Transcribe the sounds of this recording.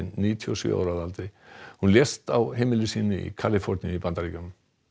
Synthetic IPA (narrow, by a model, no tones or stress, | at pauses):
ɪnːiːt̪ʰiɔsjʏ̰a̰ːwɾaðalt̪ɾɪhunljɛst̪awɦejmɪlʏsiːnɪḭkʰaːlɪfɔɾnnjipant̪aɾikanm